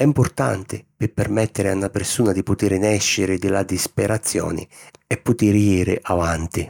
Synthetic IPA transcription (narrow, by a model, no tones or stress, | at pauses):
ɛimpʊrt̪a̰nt̪ɪpɪpːermɛt̪ːeɾɪanːapersuːnad̪ipʊt̪iɾnɛʃːɪɾɪd̪ɪlad̪ispeɾat̪sːjɔ̰ːnɪ̰ɛpːʊt̪iɾjiːɾɪ̰ʔavant̪i